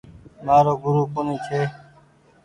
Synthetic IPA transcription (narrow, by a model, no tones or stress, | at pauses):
maːɾoːɡʊɾuːkʊnĩːt͡ʃʰeː